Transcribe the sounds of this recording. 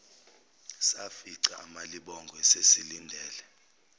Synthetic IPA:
safiǀaːmaliɓɔŋɡʱɔesesilindʱɛːlɛ

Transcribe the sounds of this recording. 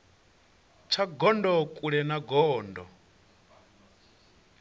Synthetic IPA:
t͡ʃʰaɡɔndɔkʼuɺɛnaɡɔːndɔ

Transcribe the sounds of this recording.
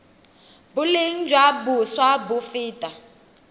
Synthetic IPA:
buleŋ̩d͡ʒwabuswabufiːtʼa

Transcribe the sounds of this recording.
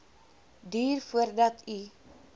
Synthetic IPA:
diːrfuərdɐtʰi

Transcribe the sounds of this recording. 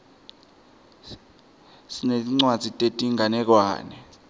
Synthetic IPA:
sineiŋ͡ǀwad̥d͡z̥ʱitʼetʼiŋanɛk̬wa̰ːnɛ

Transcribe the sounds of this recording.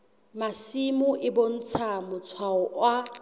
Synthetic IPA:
masimʊʔɪbon̩t͡sʰamʊt͡sʰwaɔwa

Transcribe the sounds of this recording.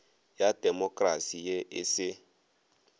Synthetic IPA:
jad̥ɛmɔkʼrasijeʔɪsɪ

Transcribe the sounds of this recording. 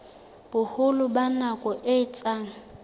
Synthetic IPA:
b̥ʊhʊlʊbanakʼɔʔɪɪt͡sʼaːŋ̩

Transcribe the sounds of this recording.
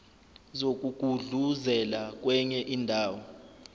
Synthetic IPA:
zok̬ʼuɡ̥ʱuɮuzɛlak̬wɛɲɛʔiːndʱaːwɔ

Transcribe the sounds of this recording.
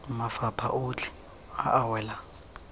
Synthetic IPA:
mafapʰa̰ʔʊt͡ɬʰʼɪ̥ | aʔawɛːla

